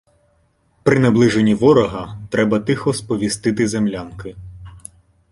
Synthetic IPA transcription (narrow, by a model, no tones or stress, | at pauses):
pɾɪneblˠɪʒenʲiʋɔɾɔɦɐt̪ɾɛbɐt̪ɪxɔspɔʋʲist̪ɪt̪ɪzemlʲankɪ